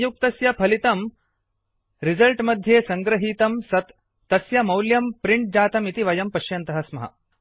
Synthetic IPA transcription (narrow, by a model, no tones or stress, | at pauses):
juk̚t̪ɐsjɐpʰɐlit̪ɐm | ɾizɐlʈmɐd̪ʱjeːsɐŋɡɾɐɦiːt̪ɐmsɐt̪ː | ɐsjɐmɐwljɐmpɾiɳʈ̚d͡ʒaːt̪ɐmit̪iʋɐjɐmpɐʃjɐnt̪ɐɦɐsmɐɦɐ̰